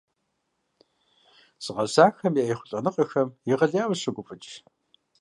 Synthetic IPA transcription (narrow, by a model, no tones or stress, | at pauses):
sʼɨʁɐzaːxɐmjiejχʷʊɬʼɐnɨqʼɐxɐmjɪʁɐɮjaːwɕɐɡʷʊpʼɨt͡ʃʼ